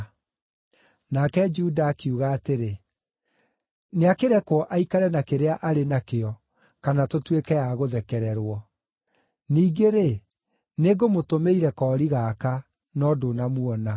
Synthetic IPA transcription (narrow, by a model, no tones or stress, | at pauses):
nakɛd͡ʒudaːkiuɣaːteɾe | neakeɾɛkwɔʔaikaɾɛnakeɾeaʔaɾenakeɔ | kanatotwekɛjaɣoðɛkɛɾɛɾwɔ | niːɡeɾe | neɡomotomeiɾɛkɔːɾiɣaːka | nɔdonamwɔna